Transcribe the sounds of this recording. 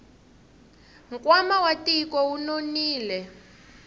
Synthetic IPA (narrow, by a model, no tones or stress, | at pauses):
ŋkʼwamawatikɔunoniːlɛ